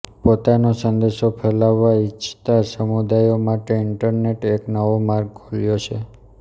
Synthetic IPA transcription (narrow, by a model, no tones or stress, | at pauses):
pot̪anosənd̪eʃopʰelaʋːait͡ʃʰt̪asəmud̪ajomaʈeɪɳʈəɾneʈeknəʋomaɾɡ̚ɡʱoljot͡ʃʰe